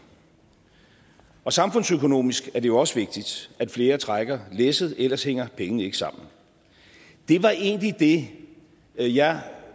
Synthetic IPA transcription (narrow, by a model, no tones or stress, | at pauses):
ɒ̽sɑ̈mfɔ̽n̰søkʰo̝no̝̰ːmisɡ̥æɐd̥e̝jo̝ɒ̽səʋe̝ɡ̥̚d̥id̥æd̥fle̝ːɐt͡sʰʁaɡ̥ɐlesəð̩ˠʔelɐsheŋ̰ɐpʰeŋənəe̝ɡ̥ə̥sɑ̈m̰n̩ | d̥e̝ʋɑ̈ʔe̝ːnlid̥e̝ | jɑ̈ɪ